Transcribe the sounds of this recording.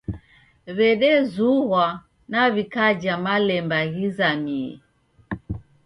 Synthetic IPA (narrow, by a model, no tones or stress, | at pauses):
βɛɗɛzuhwa | naβikad͡ʒamalɛmbaɣizami